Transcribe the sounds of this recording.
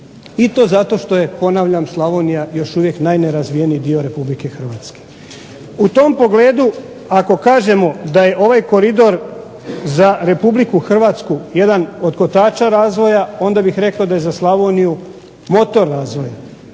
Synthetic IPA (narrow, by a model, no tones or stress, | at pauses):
it̪o̞ːzat̪o̞ʃt̪o̞je̞po̞naʋʎamslˠaʋonijajo̞ʃuʋje̞knajneɾazʋijenijːd̪io̞ɾe̞publike̞xr̩ʋaːt̪ske̥ | ut̪o̞mpo̞ɡle̞ːd̪u | ako̞kaːʒe̞mo̞d̪aje̞ʔo̞ʋajko̞ɾid̪o̞ɾ | zaɾe̞publikuxr̩ʋat̪skuje̞d̪ano̞d̪ko̞t̪aːt͡ʃaɾaːzʋo̞jao̞nd̪abixɾe̞kaod̪aje̞zaslˠaʋoniju | mo̞t̪o̞ɾːaːzʋo̞ja